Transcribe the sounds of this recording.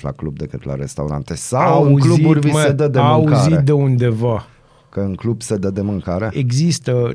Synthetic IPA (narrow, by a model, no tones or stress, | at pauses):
la̰klub̚d̪e̞kɨt̪la̰ɾest̪auɾa̰nt̪e̞saawwɨuzkluiurʲvimsed̪əd̪eaauazied̪e̞und̪e̞va | kəɨŋklubsed̪əd̪e̞mɨŋkaɾe̞eɡzist̪ə